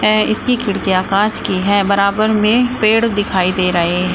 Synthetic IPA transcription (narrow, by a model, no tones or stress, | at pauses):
ɛɪskikʰɪɽkijaːkaːt͡ʃkiɦɛːbɐɾaːbəɾmẽpeːɽd̪ɪkʰaːid̪eːɾɐɦeɦɛ̃